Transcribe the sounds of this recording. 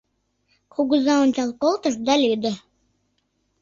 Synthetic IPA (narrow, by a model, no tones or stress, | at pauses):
kʰuɣuzɑonʲt͡ɕɑlˠkolˠt̪əʃd̪ɑlʲyd̪ə̆